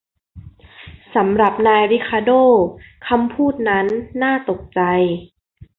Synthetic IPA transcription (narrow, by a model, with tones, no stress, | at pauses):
sa˩˦mɾa˨˩p̚naː˧jɾi˦˥kʰaː˧doː˥˩kʰa˧mpʰuː˥˩t̪̚na˦˥nːaː˥˩t̪o˨˩k̚t͡ɕa˧j